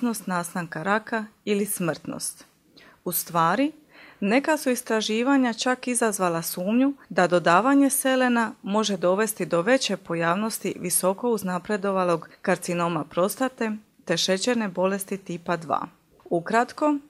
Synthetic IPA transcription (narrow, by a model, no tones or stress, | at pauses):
no̞st̪naːst̪aŋkaɾakailismr̩t̪no̰st̪ | ust̪ʋaːɾi | ne̞kasuist̪ɾaʒiːʋaɲat͡ʃakizazʋalasuːmɲud̪ad̪o̞d̪aːʋaɲe̞se̞le̞namo̞ʒe̞d̪o̞ʋe̞st̪id̪o̞ʋe̞t͡ɕe̞po̞jaːʋno̞st̪iʋiso̞ko̞uznapɾe̞d̪o̞ʋalo̞ɡːaɾt̪sino̞mapɾo̞st̪at̪e̞ | t̪e̞ʃe̞t͡ɕeɾne̞bo̞le̞st̪it̪iːpad̪ʋa̰ː | ukɾat̪ko̞